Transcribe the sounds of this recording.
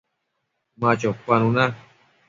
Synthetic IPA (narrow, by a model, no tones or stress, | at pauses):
mãt͡ʃopanũnã